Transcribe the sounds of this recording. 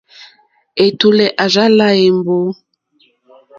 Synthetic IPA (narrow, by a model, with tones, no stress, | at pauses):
e˨tu˨lɛ˨ʔa˨za˦la˦e˨mbo˦